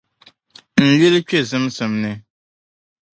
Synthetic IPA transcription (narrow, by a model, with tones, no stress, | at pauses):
n̩˨li˦lɨ˦t͡ʃe˦˨zɨ˦msɨ˨mnɨ˨